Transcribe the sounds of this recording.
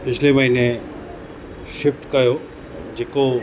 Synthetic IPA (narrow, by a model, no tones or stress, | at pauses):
pɪt͡ɕʰlemɐɦine | ʃɪfʈkɐjo | d͡ʑeːko